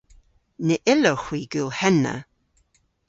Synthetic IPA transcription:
nəʔɪləxwiːɡuːlˠhɛnə̰

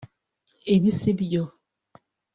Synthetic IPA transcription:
ebisebijɔ

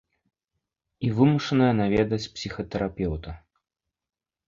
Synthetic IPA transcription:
ivɨmuʂɐnɐjɐnavʲɛd̪ɐt͡sʲpsʲixɐt̪ɛɾʔapʲɛwt̪ɐ

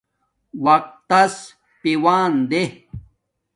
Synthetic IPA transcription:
wɐq̚t̪ːɐs | piwaːnd̪e

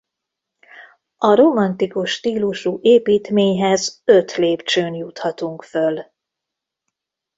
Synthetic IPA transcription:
ɒɾomɒnt̪ikuʃːt̪iːluʃuʔeːpiːt̪meːɲɦɛzø̞t̪leːpt͡ʃøːnjut̪hɒt̪uŋkføl

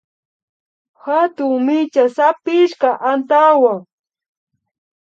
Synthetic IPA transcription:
hat̪ʊŋmɪt͡ʃasapɪʃkaʔant̪awaŋ

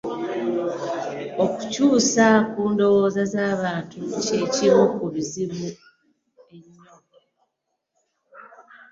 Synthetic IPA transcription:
o̞ku̥cuːsakuːndo̞wo̞ːzazaːβaːntuceciβokuluziβu | e̞ɲːoː | e

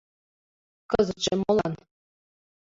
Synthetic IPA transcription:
kɤzɤ̆t͡ɕĕmolˠɑn

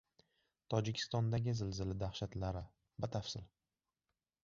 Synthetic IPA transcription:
t̪ʰɒd͡ʒɪkʲʰɪ̥st̪ɒnd̪aɡʲɪzɪlzɪlɪd̪ahʃat̪laɾɪ | bat̪ʰafsɪl

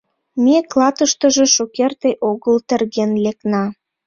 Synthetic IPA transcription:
meklɑt̪əʃt̪əʒe̽ʃokert̪eʔoɣəlt̪ə̆rɣenlek̚nɑ

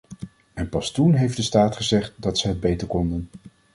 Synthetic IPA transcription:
ɛnpɑstunɦejfdəstaːtχəzɛχt̚dɑtsəɦəd̚bejtəɹkɔndən

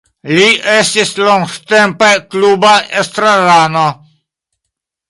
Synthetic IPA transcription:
liʔest̪isloŋɡt̪empeklubaʔest̪ɾalano

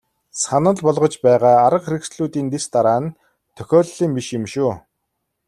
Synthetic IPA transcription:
sanə̆ɮpɔɮʁɞ̆t͡ɕpæːʁaːaɾə̆qxeɾɘ̆ksɮuːt̪iːnt̪est̪aɾaːn | t̪ʰːœ̥xʲɔːɮːiːmpiʃjɪ̆mʃuː

